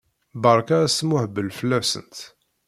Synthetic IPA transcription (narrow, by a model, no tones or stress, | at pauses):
bɑɾˤkaæsəmʊhbəlfəlːæsə̰nt̪